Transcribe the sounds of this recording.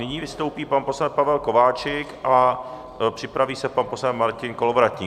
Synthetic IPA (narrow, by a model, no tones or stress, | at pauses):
nɪɲiːvɪst̪owpiːpanposlan̚pavɛlko̞vaːt͡ʃɪkʔa | pr̝̥ɪpɾaviːsɛpanpo̞sanmaɾcɪnkolovɾat̪ɲiː